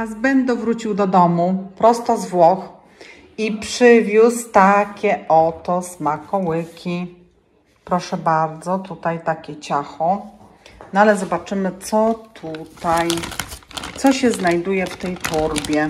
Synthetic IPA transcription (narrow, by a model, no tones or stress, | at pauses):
azbɛnd̪ɔvɾut͡ɕiwd̪ɔd̪ɔmupɾɔst̪ɔzvwɔx | ipʂɘvʲjust̪akʲɛʔɔt̪ɔsmakɔwɘkʲi | pɾɔʂɛbaɾd̪zɔt̪ut̪ajt̪akʲɛt͡ɕaxɔ | nɔalɛzɔbat͡ʂɘmɘt̪sɔt̪ʰut̪aj | t̪sɔɕɛznajd̪ujɛft̪ɛjt̪uɾbʲjɛ